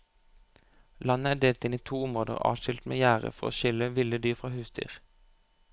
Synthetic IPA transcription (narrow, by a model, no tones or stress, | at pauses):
lɑnəæːd̪eːlt̪ɪniːt̪ʰuːʊmʁoːd̪ə̰ʁɑ̰ːʋʃʏlt̪mḛːjæːʁə̰fɔʁo̰ːʃʏləʋɪləd̪yːʁfʁɑːhʉːsd̪y̰ːʁ